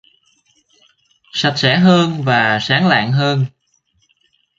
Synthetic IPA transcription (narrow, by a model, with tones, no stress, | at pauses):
sa˨˩t̚sɛ˧˩˥ɦəː˧nvaː˨˩saː˨˦ŋla̰ː˧˨ŋɦəː˧n